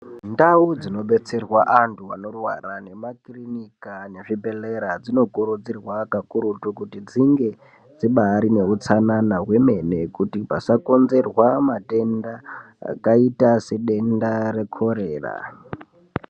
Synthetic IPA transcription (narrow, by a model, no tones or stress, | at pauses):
ndaud͡zino̞ɓe̞t͡se̞rwaʔantʰuano̞rwa̰ɾane̞makrinikaneʐibe̞leɾad͡zino̞kuɾud͡zirwakakuɾutukutid͡ziŋɡe̞ | d͡ziɓaɾine̞ut͡sananawe̞me̞ne̞kutipa̰sako̞nze̞rwamate̞nda | a̰kaitase̞ɗe̞ndaɾe̞kʰo̞ɾeːra̰